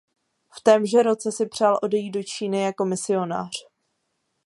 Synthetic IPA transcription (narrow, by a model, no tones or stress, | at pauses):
ft̪ɛːmʒɛɾo̞t͡sɛsɪpr̝̥aːlʔo̞dɛjiːt̪do̞t͡ʃiːnɪjako̞mɪsɪo̞na̰ːr̝̥